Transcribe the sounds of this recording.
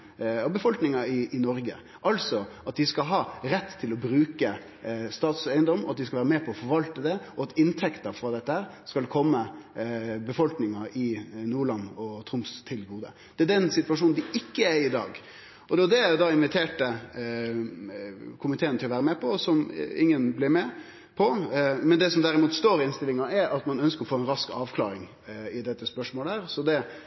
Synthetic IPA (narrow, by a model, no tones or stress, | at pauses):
ɑbəfɔlknɪŋɑɪɪnɔɾɡə | ʔɑlsɔɑt̪̚d̪ɪskɑlɦɑɾɛt̪ːt̪ʰːɪlɔbɾʉːkə | st̪ɑːt̪sæɪənd̪ɔmːɔɑt̪̚d̪ɪskɑlʋæːɾəmɛpʰɔɔfɔɾʋɑlt̪əd̪ɛɔɑt̪ɪnt̪ʰɛkt̪əɾfɾɑːd̪ɛt̪ːəhæːɾskɑlkʰɔmːə | bəfɔlknɪŋɑɪnuːɭɑnːɔt̪ʰɾʊmst̪ʰɪlɡuːd̪ə̰ | d̪̥ɛæd̪ɛnsɪt̪ʋɑʂuːnnd̪ɪɪkːəæɪd̪ɑ̰ːɡ | ɔd̪ɛɔd̪ɛæɾjʊd̪ɑɪnʋɪt̪ʰeːʈə | kʰʊmɪt̪ʰeːənt̪ʰɪlɔʋæːɾəmɛpʰɔsɔmɪ̰ŋːənblɪmɛ | pʰɔmɛnd̪ɛsɔmd̪æɾɪmuːt̪st̪oːɾɪɪnst̪ɪlɪŋɑɛɾɑt̪mɑnœnskəɾɔfoːɛnɾɑskɑːʋkʰlɑ̰ːɾɪŋ | ɪd̪ɛt̪ːəspœʂmoːləhæːɾsɔd̪ɛ